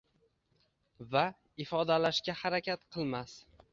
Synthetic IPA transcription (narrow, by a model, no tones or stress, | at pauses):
va | ɪfɒd̪alaʃkʲahaɾakʲat̪qʰɨlˠmas